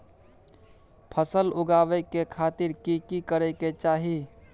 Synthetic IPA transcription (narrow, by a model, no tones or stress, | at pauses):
pʰəsəlʊɡaːʋekekʰaːt̪iɾkikikəɾeket͡ʃaːɦi